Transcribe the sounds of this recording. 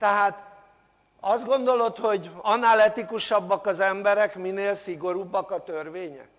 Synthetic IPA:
t̪ɛɦaːt̪ | ɒzd̪̚ɡo̞nd̪o̞lo̞t̪ho̞ɟɒnːaːlɛt̪ikuʃɒbːɒkɒzɛmbɛɾɛkmineːlsiɡo̞ɾubːɒkɒt̪ørʋeːɲɛ̰k

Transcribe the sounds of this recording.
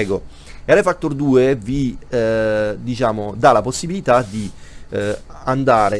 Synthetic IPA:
ɛɡo | alefatt̪ːord̪uːevi | d̪it͡ʃaːmod̪alaposːibilit̪ad̪i | and̪aːɾe

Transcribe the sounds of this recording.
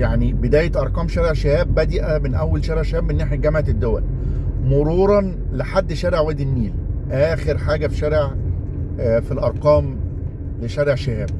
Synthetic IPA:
jaʕnibed̪æːjet̪ʔɑɾˤqɑːmʃæɾeʕʃehæːbːæd̪iʔæbenʔæwːælʃæːɾeʕʃehæːbmenːaːħjæɡæmaʕet̪ed̪ːowæ̰l | moɾuːɾˤɑn | leħad̪ːʃæːɾeʕwæːd̪ilmiːlʔæːxeɾħaːɡæfi̥ʃæːɾeʕ | filʔɑɾˤqɑːm | leʃæɾeʕʃehæːb̚

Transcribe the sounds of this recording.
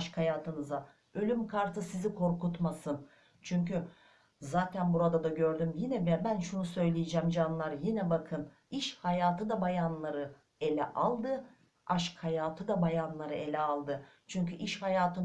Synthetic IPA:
ʃkhajaːt̪ʰɯnɯza | ø̞lʲymkʰaɾt̪ʰɯsizikʰo̞ɾkut̪masɯn | t͡ʃʰyɲcy | zaːt̪ʰænbuɾad̪ad̪aɟø̞ɾd̪ymjinɛbɛbænʃunusø̞jlʲijid͡ʒɛːmd͡ʒanlˠaɾjinɛbakʰɯn | iʃhajaːt̪ɯd̪abajanlˠaɾɯ | e̞lʲɛ̰ʔalˠd̪ɯ | aʃkhajaːt̪ʰɯd̪abajanlˠaɾɯʔe̞lʲɛalˠd̪ɯt͡ʃʰyɲcyʔiʃhajaːt̪ʰɯn

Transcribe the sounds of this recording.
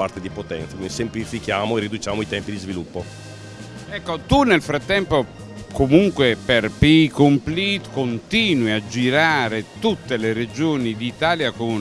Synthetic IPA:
a̰rt̪ed̪ipot̪ɛ̰nt̪sakinsemplifikjaːmoerid̪ut͡ʃaːmoit̪ɛmpid̪izvilupːo | ɛkːot̪unelfɾat̪ːɛmpo | komuŋkweperpikomplit̪kont̪iːnwiad͡ʒːiɾaːɾet̪ut̪ːelered͡ʒoːnid̪it̪aːljakon

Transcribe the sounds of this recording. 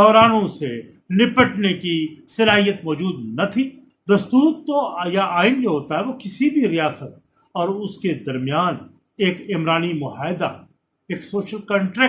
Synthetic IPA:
d̪ɔːɾaːnõse | nɪpəʈnekisɐlaːɦijət̪mɔːd͡ʒuːd̪nɐt̪ʰi | d̪ɐst̪uːɾt̪ojaʔaːɪnd͡ʒoɦoːt̪aɦɛʋokɪsibʱiɾijaːsət̪̚ | ɔːɾʊsked̪ɐɾmijaːn | eːkɪmɾaːnimʊɦaːɪd̪a̰ | eːksoːʃəlkɐ̃ɳʈɾɛ

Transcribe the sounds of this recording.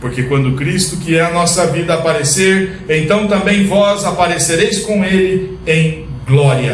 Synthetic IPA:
poɾkekwɐ̃nd̪ʊkɾist̪ʊkɪɛɐnɔsɐvid̪ɐːpaɾeseɾ | ẽnt̪ɐ̃w̃t̪ɐ̃mbẽj̃vɔzapaɾeseɾejskõw̃elɪ | ẽj̃ɡlɔɾiɐ

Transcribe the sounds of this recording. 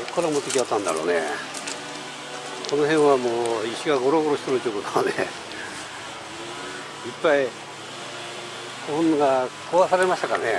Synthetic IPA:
okːoɾamot̪ekʲiat̪ːãnd̪aɾo̰ːnḛ | ko̞noɦẽɰ̃βamoːiɕiɡaɡo̞ɾo̞ɡo̞ɾo̞ɕit̪onot͡ɕ̪ʲokot̪aane | ipːai | koõnoɡakʰoβasaɾemaɕi̥t̪akaɾ̰ne

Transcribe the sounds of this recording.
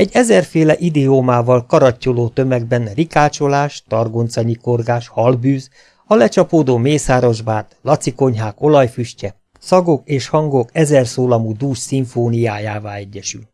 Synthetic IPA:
ɛɟɛzɛrfeːlɛʔid̪ɛomaːvɒlkɒɾɒcːoloːt̪ø̞mɛɡ̚bɛnrikaːt͡ʃo̞laːʃt̪ɒrɡont̪sɒɲiko̞rɡaːʃhɒlbyːz | ɒlɛt͡ʃɒpoːd̪oːmeːsaːɾoʒbaːt̪lɒt̪siko̞ɲɦaːko̞lɒjfyʃcɛ | sɒɡo̞keːʃhɒŋɡokɛzɛrsoːlɒmud̪uːʃsiɱfoːnijaːjaːvaːɛɟːɛʃy̰l

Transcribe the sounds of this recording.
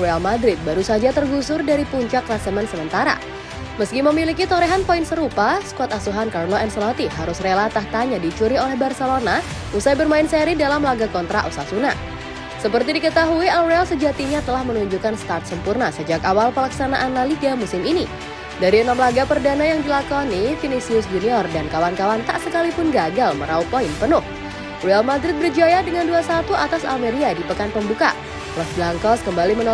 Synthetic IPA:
ealmad̪ɾɪt̪̚baɾusad͡ʒat̪ərɡusʊrdaɾipuɲt͡ʃaklasəmɛnsəmənt̪aɾa̰ | məskiməmilikit̪oɾɛɦanpoinsəɾupasə̥kuat̪asuɦankarloɛnsolat̪iɦaɾʊsrelat̪aht̪aɲadit͡ʃuɾiolɛhbarselona | usajbərmaɪnseɾidalamlaɡakɔnt̪ɾa̰ʔusasuna̰ | səpərt̪idikət̪aɦuialrealsəd͡ʒat̪iɲat̪əlahmənuɲd͡ʒukanst̪art̪̚səmpurnasəd͡ʒakawalpəlaksanaʔanːaliɡamusɪmini | daɾiənamlaɡapərdanajaŋdilakɔnifinisiʊsd͡ʒuniɔrdankawankawant̪a̰ʔsəkalipʊnɡaɡalməɾaupɔɪnpənʊh | roalmadɾɪt̪̚bərd͡ʒajadəŋanduasat̪uʔat̪asa̰lmeɾiadipəkanpəmbuka̰ | lɔsblaŋkɔskəmbalimənɔ

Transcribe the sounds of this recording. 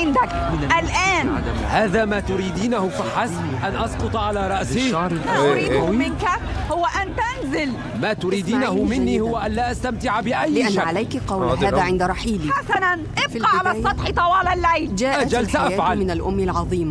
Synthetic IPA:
ɪnd̪ak | ʔalʔaːnʕa | haːðaːmaːt̪ʊɾiːd̪iːnahʊfaħas | ʔanʔɑsqʊt̪ˤʕalaːɾˤɑʔsiʃɑːɾmaʔʊɾiːʊmɪnka | hʊwaʔant̪anzɪl | maːt̪ʊɾiːd̪iːnahʊmɪnːiːhʊwːaʔanlaːʔast̪amt̪ɪʕabɪʔajːlɪʔanʃːaʕalajkqɑwlhðaːaːʕɪnd̪ɾˤɑħiːliħasananʔɪbfilɑʕalaːsjˤɑt̪ˤħt̪ˤɑwɑːlalʕejld͡ʒaːʔaʔad͡ʒalt̪ʔajaːʕalmɪnalʔʊmːalʕɑðˤiːm

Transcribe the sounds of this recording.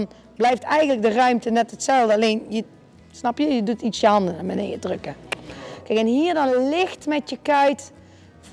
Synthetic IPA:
n | blɛjftɛjɣənlək̚dərœɥmtənɛtɦətsɛlˠdəɑlejnjə | snɑpjəjədutitsjəɦɑndənamənḛjədrɵkəkɛjkɛnɦiːɹdɑnlɪxtmɛtjəkœɥt

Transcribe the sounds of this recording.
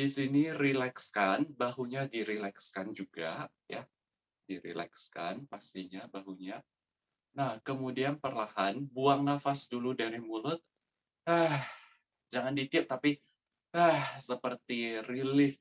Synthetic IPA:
disinirilɛkskanbaɦuɲadiɾilɛkskand͡ʒuɡa̰ | ja | diɾḭlɛ̰kska̰npast̪iɲabaɦuɲa | nahkəmudianpərlaɦanbuaŋnafasduludaɾimulʊt̪̚ | əh | d͡ʒaŋandit̪iat̚t̪api | əhsəpərt̪irilɪf

